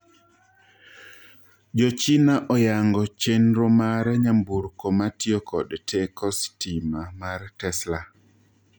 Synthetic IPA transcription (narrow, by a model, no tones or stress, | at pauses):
d͡ʒɔt͡ʃinaʔɔjaŋɡɔt͡ʃenɾɔmaɾɛɲambuɾkomatjokʰɔdtʰɛkʰɔstimamartɛsla